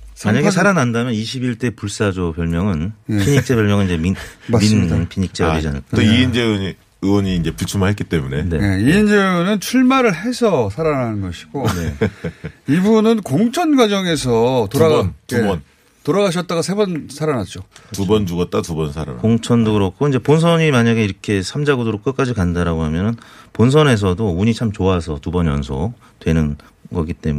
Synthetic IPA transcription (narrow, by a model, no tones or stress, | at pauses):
maɲaɡesʰaɾanandamjʌniɕʰibiɭt͈e̞puɭs͈ad͡ʑopjʌɭmjʌŋɯnepʰiɲik̚t͡ɕ͈ebjʌɭmjʌŋɯniɲd͡ʑeminminpʰiɲik̚t͡ɕ͈eɾid͡ʑana̰ɭkʰiind͡ʑei | ɯwʌɲiːnd͡ʑe̞piɭt͡ɕʰumaɦetk͈it͈e̞mune̞̰ne̞̰neiind͡ʑeonɯnt͡ɕʰuɭmaɾɯɭɦe̞sʰʌsʰaɾananɯnɡʌɕʰi̥ɡ̥one | ibunɯnkoŋt͡ɕʰʌnɡwad͡ʑʌŋe̞s̬ʰʌtoɾaubʌn | toɾaɡaɕ̬ʰʌt̚t͈aɡasʰe̞bʌnsʰaɾanat̚t͡ɕ͈otubʌnd͡ʑuɡʌt̚t͈atubʌnsʰaɾa̰nkoŋt͡ɕʰʌndoɡɯɾʌkʰoind͡ʑe̞pons̬ʰʌɲimaɲaɡe̞iɾʌkʰe̞sʰamd͡ʑaɡudoɾok͈ɯk͈ad͡ʑikandaɾaɡoɦamjʌnɯnpons̬ʰʌne̞s̬ʰʌdouɲit͡ɕʰamt͡ɕoasʰʌtubʌnjʌ̰nsʰo̰ | twe̞nɯn | ɡʌɡit͈e̞̰mu